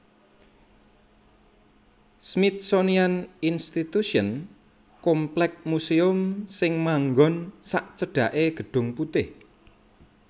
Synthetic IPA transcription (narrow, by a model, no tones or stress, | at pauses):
smit̪̚sonianinst̪it̪uʃiən | kɔmplɛk̚museʊmsɪŋmaŋɡɔnsaʔt͡ʃəɖ̥ä̤ʔeɡ̥ə̤ɖ̥ʊ̤ŋput̪ɪh